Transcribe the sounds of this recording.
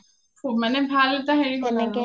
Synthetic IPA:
omɛːnebʱaːlːet̪aɦɛiɦo

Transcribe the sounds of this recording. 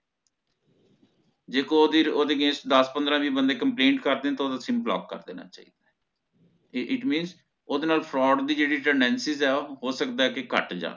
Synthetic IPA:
d͡ʒeːkod̪eoːd̪eːɡẽːsʈd̪əspənd̪ɾãːʋiːbənd̪eːkəmplẽːɳʈkəɾd̪eːɛ̃ːt̪aːoːd̪aːsɪmplɔ̰ːkːə̰ɾd̪ḛːna̰ːt͡ʃa̰ːiːd̪a | ʔɪʈmĩːnz | oːd̪eːnaːlpʰɾɔːɖd̪iːd͡ʒeːɽiːʈɛːɳɖɛ̃ːnsɪzɛːɦoːsəkd̪aːɛːkɪkə̰ʈd͡ʒa̰ː

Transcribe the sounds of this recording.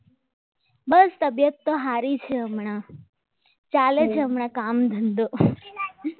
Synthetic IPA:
bəst̪əbjət̪ːoɦaɾit͡ʃʰeəmɳa | t͡ʃaled͡ʒʰeəmɳakamd̪ʱənd̪o

